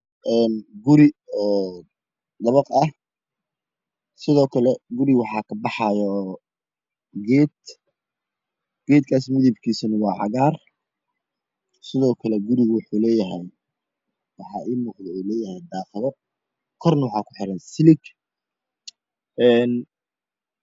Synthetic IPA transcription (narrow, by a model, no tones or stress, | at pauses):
ʔɛːnɡʊɾɪɔː | d̪ɐβɐqɐh | sɪðɔːkʰɐlɛɡʊɾɪwɑħɑːkʰɐbɑħɑjɔ | ɡɛːd̪ | ɡ̥ɛːd̪kʰaːsmɪðɪbkʰiːsɐnɐwɑːʕɑ̰ɣaːr | sɪðɔːkʰɐlɛɡʊɾɪɣʊwʊħuːlɛːjɐɦɛj | wɑħɑ̰ːʔiːmuːqd̪ɛɛjlɛːjɐhɛjd̪aːqɪðɔ | kʰɔrnɐwɑħɑːkʰʊħɪɾɛːnsɪlɪɡ | ʔɛːn